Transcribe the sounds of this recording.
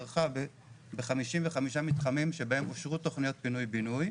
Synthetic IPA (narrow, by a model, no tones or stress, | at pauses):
ʁχabe | beχamiʃimveχamiʃamit̪χamimʃe̞bahe̞mofʃʁut̪o̞χnijo̞t̪̚binujbinuj